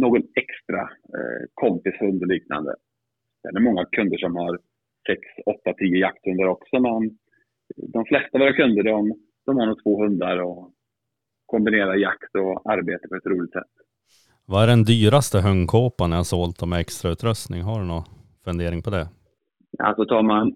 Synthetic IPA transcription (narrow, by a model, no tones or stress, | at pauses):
noːɡɔnɛkst̪ɾa̰kʰɔmpɪshɵnd̪ɔɭiːkna̰nd̪ə̰ | d̪̥ɛ̰nɛɾmɔŋːakʰɵnd̪əʂɔmhaɾ | sɛksɔt̪ːat̪ʰiːjəjak̚t̪hɵnd̪aɾɔksɔmɛn | d̪ɔmflɛst̪avoːɾakʰɵnd̪əɖɔm | d̪̥ɔmhaɳnuːt̪ʰvoːɦɵnd̪aɾɔ | kʰɔmbɪneːɾaɾjakt̪ɔaɾbeːt̪əpʰɔɛt̪ɾuːlɪɡt̪sɛ̰t̪ː | vaæɖɛnd̪yːɾast̪əɦœŋːkʰoːpanɛjasoːlt̪ʰɔmɛɛkst̪ɾaʉ̟ːt̪ɾœst̪nɪŋɦaɖɵnɔ | fɵnd̪eːɾɪŋpʰɔd̪ɛ | ja̰a̰lsɔt̪ʰɑːɾmann